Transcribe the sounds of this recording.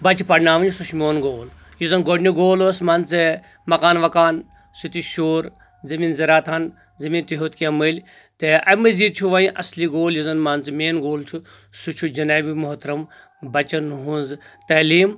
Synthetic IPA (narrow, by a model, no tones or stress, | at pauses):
bɐt͡ʃipɐɖnaːʋɐnsuʃmʲoːnɡoːl | jizɐnɡoɖniɡoːloːsmɐnt͡sɨ | mɐkaːnʋɐkaːn | sut̪iʃoːɾ | zɐmiːnzɐɾaːt̪ʰan | zɐmiːnt̪iɦoːt̪kiɐmɨlʲ | t̪eʔɐmɨziːd̪̚t͡ʃʰuʋaːĩʔɐsliɡoːljizɐnmɐnt͡smeːnɡoːlt͡ʃʰu | sut͡ʃʰud͡ʒɐnaːbʲimoɦt̪ɾɐm | bɐt͡ʃɐnɦunzt̪ɐːliːm